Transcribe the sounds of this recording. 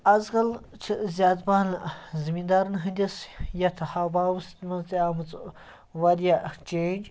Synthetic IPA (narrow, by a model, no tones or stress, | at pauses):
ɐzɡɐl | t͡ʃʰizʲjaːt̪baːnzimind̪aːɾnɦɨnd̪ʲisjɐt̪ʰɐhabaːwust̪mɐnzt̪iamɨt͡s | wɐɾijat͡ʃeːnd͡ʒ